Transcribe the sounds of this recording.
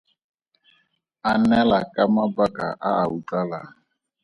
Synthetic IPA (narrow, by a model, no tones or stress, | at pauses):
anɛlakʼamabakʼa̰ʔaaut͡ɬʼala